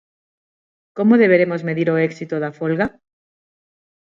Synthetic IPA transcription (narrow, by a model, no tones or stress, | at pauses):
komoðeβ̞eɾemozmeðiɾoeksit̪oðafolɣa